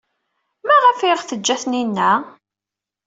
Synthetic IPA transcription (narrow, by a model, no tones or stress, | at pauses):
mæʁæfiʁθəd͡ʒːæθninːæ